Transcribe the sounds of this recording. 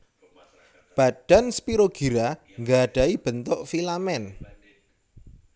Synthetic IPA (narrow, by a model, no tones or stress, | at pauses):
b̥a̤ɖ̥a̤nspiɾoɡ̥i̤ɾa | ŋɡaɖ̥a̤ib̥ə̤nt̪ʊʔfilamɛn